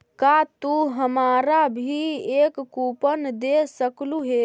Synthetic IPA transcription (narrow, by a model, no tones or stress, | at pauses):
kat̪uɦəmaɾabʱiekkupənd̪esəkluɦe